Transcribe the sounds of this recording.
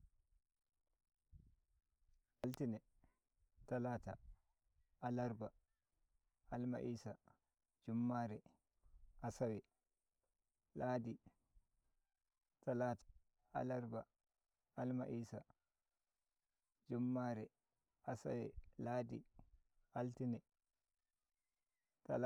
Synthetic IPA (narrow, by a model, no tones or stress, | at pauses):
ʔaltinɛ | talaːta̰ | alaɾba | alma̰ʔiːsa | d͡ʒumːaːɾɛ | ʔasawɛ | laːdi | talaːtḁ | a̰laɾba | alma̰ʔiːsa | d͡ʒumːaːɾɛ | ʔasa̰wɛlaːdi | altinɛ | tal